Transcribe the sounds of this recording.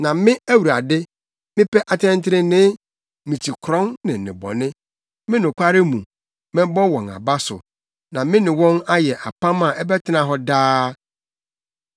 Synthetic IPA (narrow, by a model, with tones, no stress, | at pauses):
nã˨mɪ̃˦æ˦wu˨ɾa˨dɪ˦ | mɪ̃˦pʰɛ˦ʔa˨tʰɛ̃˦ntʰɪ˦ɾɪ˦nɪ̃˦ | mĩ˨tʰi˨kʰɾɔ̃˦nnɪ̃˨nɪ̰̃˨bɔ̰˨nɪ̃˦ | mɪ̃˦nʊ̃˨kʷʰa˦ɾɪ˦mṵ̃˨ | mɪ̃˦bɔ˦wɔ̃˨na̰˨ba˦sʊ̰˨ | nã˨mɪ̃˦nɪ̃˨wɔ̃˦na˦jɛ˨ʔa˨pʰã˦mã˨ʔɛ˦bɛ˦tʰɪ˦nã˨ɦɔ˦daː˦